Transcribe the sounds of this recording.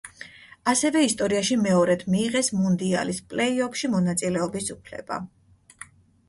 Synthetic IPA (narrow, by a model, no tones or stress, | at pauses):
asɛvɛist̪ʼɔɾiaʃimɛɔɾɛt̪ʰmiːʁɛsmund̪ia̰lispʼlɛiɔkʃimɔnat̪sʼilɛɔbisupʰlɛ̰b̥a̰